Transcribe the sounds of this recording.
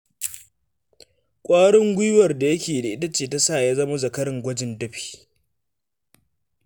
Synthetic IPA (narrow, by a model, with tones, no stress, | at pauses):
kʷʼaː˦ɽɪ˦ŋɡʷʊ˦jwɐ˨rda˨jɐ˦kʲeː˨da˨ʔɪ˦tɐ˦t͡ʃeː˨ta˦sa˦˨jaː˦zɐ˦ma˦zɐ˨kɐ˦ɾɪ˨ŋɡʷɐ˦d͡ʒɪ˨ndɐ˦ɸi̥ː˨